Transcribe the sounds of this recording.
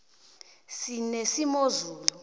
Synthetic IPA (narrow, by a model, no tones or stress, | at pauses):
sinesimozuːlu